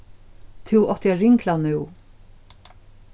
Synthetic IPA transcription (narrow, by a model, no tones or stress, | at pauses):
t̪ʰɪwʔɔt̪əjaɾɪŋklanʉw